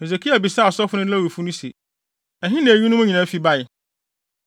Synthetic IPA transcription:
he˨ze˨kʰi˦a˨bi˨sa˦˨ɔ˨sɔ˦fʊ˦nʊ̃˦a˦˨wi˨fu˦nʊ̃˦sḭ˨ | ɛ˨ɦɪ̃˦nã˨æ˨ɥi˦nʊ̃˦mʊ̃˦ɲĩ˨nã˨˦fi˨˦ba˦jɪ˨

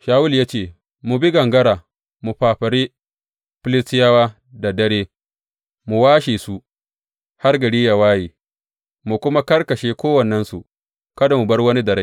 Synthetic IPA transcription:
ʃaː˨wʊ˦ljaː˦t͡ʃeː˨ | mu˨bi˦ɡɐ˨ŋɡɐ˦ɾaː˨ | mu˨ɸaː˨ɸɐ˨ɾiː˦ | ɸɪ˦lɪ˦sɪ˦jaː˦waː˦ | da˨dɐ˦ɽeː˦ | mu˨waː˦ʃiː˨su˦ | ha˦rɡɐ˨ɽiː˦ja˨waː˦jiː˨ | mu˨kʷʊ˦ma˦kɐ˦rkɐ˨ʃeː˦kʷoː˦wɐ˨nːɛ˦nsṵ˨ | kɐ˦da˨mu˨bɐ˦rwɐ˦ni˦dɐ˨ɾa˦

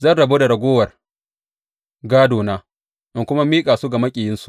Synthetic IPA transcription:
zɐ˦˨nɽɐ˨boː˦da˨ɽɐ˨ɡʷoː˦wɐ˨r | ɡaː˦doː˨naː˦ | ʔɪ˨ŋkʷʊ˦ma˦miː˦kʼaː˨su˦ɡa˨mɐ˦kʲʼiː˨jɪ˦nsu̥˨ʔ

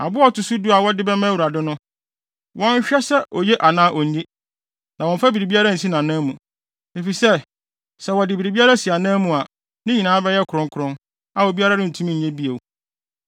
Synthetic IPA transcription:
a˨bʊ˦ɔ˦tʊ˨su˦du˦a˨wɔ˦dɪ˦bɛ˦mɛ̃˦˨u˨ɾa˨dɪ˦nʊ̃˦ | wɔ̃˦ɲ˦ɕᶣɛ˦sɛ˦ʔɔ˨jɛ˦ʔa˨nãː˦ʔɔ˨ẽ˦ | nã˨wɔ̃˨ɱ̩˨fa˦bi˨ɾi˨bi˦a˦ɾa˦n̩˨sĩ˦nã˨nãː˦mũ˨ | e˨fi˨sɛ˦˨ | sɛ˦wɔ˨dɪ˨bi˨ɾi˨bi˦a˦ɾa˦si˨a˨nã˦mũ˨a˨ | nɪ̃˦ɲĩ˨nãː˦bɛ˦jɛ˦kʰʊ˨ɾʊ̃˦ŋkʰʊ˨ɾʊ̃˦n | a˨ɔ˨bi˦a˦ɾa˦nɪ̃˦n̩˨tʰu˦ĩ˦ɲ̩˨ɲɛ̃˦bi˦e˨w

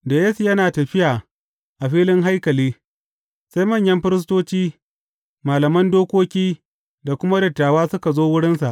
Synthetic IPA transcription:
da˨je˦su˨jɐ˦naː˨tɐ˨ɸɪ˦jaː˨ | ʔa˨ɸiː˦lɪ˦ŋɦa˦jkɐ˨liː˦ | sa˦jmɐ˦˨ɲjɐ˦mɸɪ˦ɾɪ˦s̬toː˦t͡ʃiː˦ | maː˨lɐ˨mɐ˦ndoː˦kʷoː˦kʲiː˦ | da˨kʷʊ˦ma˦dɐ˨tːaː˨waː˦sʊ˦ka˨zoː˦wʊ˦ɽɪ˦nsa˨ʔ

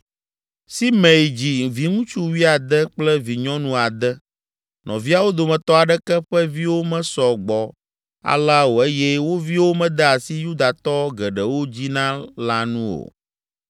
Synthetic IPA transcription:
si˦mẽ˨jd͡ʑi˨vi˨ŋũ˦t͡ʃu˦wi˦a˨d̪ɛ˦k͡plɛ˦vi˨ɲɔ̃˦nũ˦a˨d̪ɛ˦ | nʔɔ̰̃˨vi˦a˨wo˦d̪o˨mɛ̃˨t̪ɔ˦a˨ɖɛ˦kɛ˦ɸɛ˦vi˦wo˦mɛ̃˦sɔ˨ɡ͡bɔ˨ | a̰˨la˦wo˨e˦jɛ˦wo˦vi˦wo˦mɛ̃˦d̪ɛ˦a˨si˦ju˦d̪a˨t̪ɔ˦ɡɛ˨ɖɛ˨wo˦d͡ʑi˦nã˦la˦nũ˦o̰˨

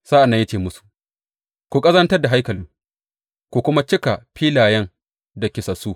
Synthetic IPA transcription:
saː˦ʔa˨nːɐ˦jɐ˦t͡ʃeː˨mʊ˦su̥˨ʔ | kʷu˨kʼɐ˦zɐ˦ntɐ˦rda˨ɦa˦jkɐ˨lɪ˦ | kʷu˨kʷʊ˦ma˦t͡ʃɪ˦ka˨ɸiː˦laː˨jɐ˦ŋ | da˨kʲɪ˨sɐ˨suː˦

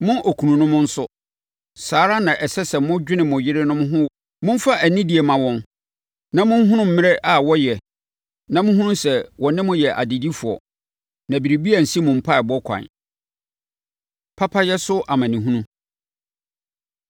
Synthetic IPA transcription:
mʊ̃˦ʔo˨kʰu˨nũ˨nʊ̃˦mʊ̃˦n̩˦sʊ˦ | saː˨ɾa˦nã˨ʔɛ˨sɛ˦sɛ˨mʊ̃˦d͡ʑᶣɪ˦nɪ̃˨mʊ̃˨jɪ˦ɾɪ˦nʊ̃˦m̃˦ɦʊ̃˦ | mʊ̃˦m̩˦fa˦ʔæ˨nĩ˦di˨e˨mã˨wɔ̃˦n | nã˦mʊ̃˦n˦ɦʊ̃˦nʊ̃˦m̩˦mɪ̃˦ɾe˦ʔa˨wɔ˦jɛ˨ | nã˦mʊ̃˦ɦũ˦nũ˦sɛ˨wɔ˨nɪ̃˦mʊ̃˦jɛ˨ʔa̰˨di˨di˦fʊ˨ɔ̰˨ | nã˨bi˨ɾi˨bi˦a˨n̩˨si˦mʊ̃˨m̩˨pʰa˦˨bɔ˦kʷʰã̰˨ | pʰa˦pʰa˦jɛ˦sʊ˦ʔa˨mã˨nĩ˨ɦũ˦nũ˦

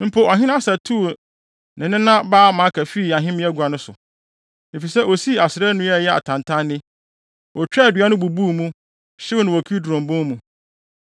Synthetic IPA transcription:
m̩˦pʰo˦ɔ˨ɦɪ̃˦nã˦sa˨tʰu˦˨ | nɪ̃˨nɪ̃˦nã˦baː˦mã˨˦kʰæ˨fi˦˨a˨ɦɪ̃˦mɪ̃˦æ˦ɡʷa˨nʊ̃˦sʊ̰˨ | e˨fi˨sɛ˦ʔo˨si˦a˨sɪ˨ɾɛ˦nʊ̃˦ɛ˦˨jɛ˦a̰˨tʰã˨ntʰã˦nːɪ̃˦ | wɔ˨t͡ɕᶣɛ˦˨dɥa˦nʊ̃˦bu˨bu˦˨mũ˦ | ɕɪ˦nʊ̃˨wɔ˨kʰi˦dɔ̃˨mbʊ̃˦mũ˨

